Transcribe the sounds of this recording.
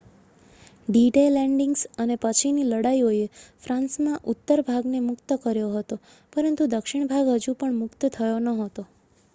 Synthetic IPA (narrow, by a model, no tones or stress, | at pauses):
ɖiʈelɛ̃ɳɖɪŋɡsənepət͡ʃʰiniləɽaioefɾãnsmãʔut̪ːəɾbʱaɡnemʊkt̪əkəɾjoɦət̪o | pəɾənt̪ud̪əkʃɪɳ̃bʱaɡɦəd͡ʒũpəɳmʊkt̪ət̪ʰəjonəɦət̪o